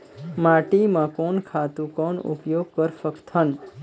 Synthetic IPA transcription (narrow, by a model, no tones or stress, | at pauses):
maʈimãkoɳkʰat̪ũkoɳṵpjoɡ̚kəɾfəkt̪ʰən